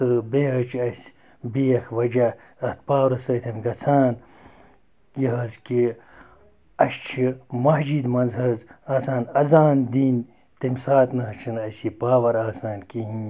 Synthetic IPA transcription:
t̪ɨbeːɦɐt͡ʃʰɐsʲ | biːɐkʰʋɐd͡ʒa | ɐt̪̚paːwɾɐsɐt̪ʰɐnɡɐt͡sʰaːn | jiɦɐzki | ɐʃt͡ʃʰimɐɦd͡ʒiːd̪mɐnzɦɐzaːsaːnɐzaːnd̪iːn | t̪imsaːt̪nɐɦɐt͡ʃʰɐnɐsipaːʋɐɾaːsaːnkiɦi

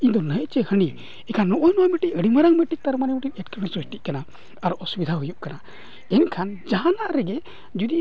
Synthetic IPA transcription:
id̪ɔnəʔt͡ʃɛhəɳi | ɛkʰanːɔʔɔjnɔjmɛʈic̚əɽimaɾaŋmɛʈiʔ̚t̪aɾmanɛmɔʈiʔɛt̚kəmɛnsɾusʈiʔ̚kanaː | ɾɔʔɔsubid̪ʱaɦujuʔkana | ɛnkʰand͡ʒaɦanaʔɾɛɡɛ | d͡ʒud̪i

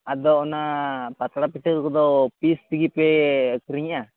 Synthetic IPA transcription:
ad̪ɔːnapat̪ɽapiʈʰikkɔd̪ɔpist̪iɡipɛkɾiɲʔa

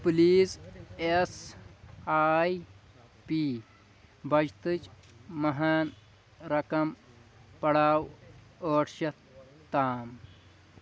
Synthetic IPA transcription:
puliːses | aːj | piː | bɐd͡ʒt̪ɨt͡ʃ | mɐɦaːn | ɾɐkɐm | pɐɽaːw | oːʈʰʃɐ | t̪aːm

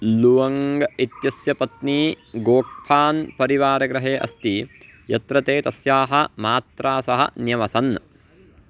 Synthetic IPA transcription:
luʋɐŋɡɐit̪jɐsjɐpɐt̪niː | ɡoːk̚pʰaːnpɐɾiʋaːɾɐɡɾɐɦeːʔɐ̰st̪ijɐt̪ɾɐt̪eːt̪ɐsjaːɦɐ̆maːt̪ɾaːsɐɦɐ̰njɐmɐsɐn

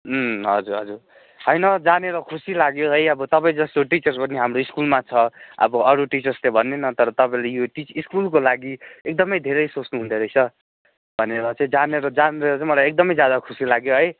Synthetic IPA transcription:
ɦʌd͡zuɾɦʌd͡zur | ɦʌjnʌd͡zaneɾʌkʰusilaɡjoɦʌjʌbʌt̪ʌpaĩd͡zʌst̪oʈit͡sʌrspʌniɦamɾoiskulmat͡sʰʌʌ̰bʌʌɾuʈit͡sʌrslebʱʌnːenʌt̪ʌɾʌt̪ʌpaĩlejoʈit͡siskulkolaɡiek̚d̪ʌmʌjd̪ʱeɾʌjsot͡snuɦũnd̪ʱeɾʌjt͡sʰʌ | bʱʌneɾʌt͡sãĩd͡zaneɾʌd͡zanɾeɾʌt͡saĩmʌlajek̚d̪ʌmʌjd͡zjad̪akʰusilaɡjoɦʌj

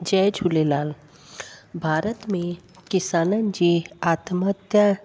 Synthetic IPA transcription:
d͡ʒɛːd͡ʒʱulelaːl | bʱaːɾət̪mẽ | kɪsaːnənd͡ʒiaːt̪mət̪jə

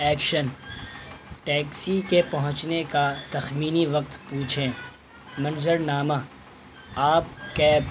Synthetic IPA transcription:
ɛːkʃən | ʈɛːksikepɐɦʊ̃t͡ʃnekat̪ɐxmiːniʋɐq̚t̪puːt͡ʃʰẽ | mɐ̃nzəɾnaːma | aːp̚kɛː

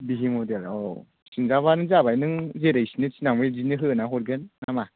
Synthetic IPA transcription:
biɦimɔdelɔ | sɯŋzaβanɯŋzabajnɯŋzeɾɯjsinɯt͡ʃinaŋbɯzinɯɦɯɯnaɦɔɾɡenːama

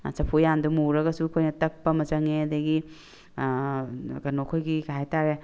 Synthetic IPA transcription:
sɐpʰujandumuɾɐɡɐsukʰojnɐtɐk̚pɐmɐzɐŋeɐdɐɡi | ɡɐnokʰojɡiɡaɦajtaɾe

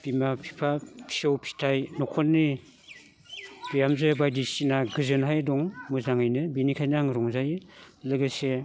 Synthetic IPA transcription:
b̥imapʰi̥pʰapʰi̥ɔwpʰi̥tʰajnɔkʰɔnːi | b̥ijamzɯbajdisinaɡɯzɯnɦajdɔŋmɯzaŋɯjnɯbinikʰajnaŋɾɔŋzajlɯɡɯse

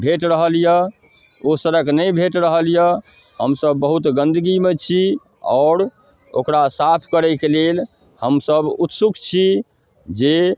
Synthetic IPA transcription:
bʱeʈɾəɦəljə | osəɾəknəjbʱeʈɾəɦəljə | ɦəmsəbːəɦut̪ɡə̃nd̪ʱəɡimet͡ʃʰi | ɔ̰ʊɾ | o̰kɾasapʰkəɾɛɪkelel | həmsəbut̪sukʰt͡ʃʰi | d͡ʒe

